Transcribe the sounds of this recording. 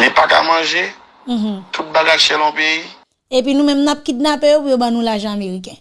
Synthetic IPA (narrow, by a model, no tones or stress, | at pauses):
lipaka̰mãʒe | m̩̃ɦm̩̃t̪ut̪̚baɡajsɛlɔ̃pjei | ep̬inũmɛ̃mnap̚kit̪̚napejopujobanũlaʒãameɣik̬ɛ̃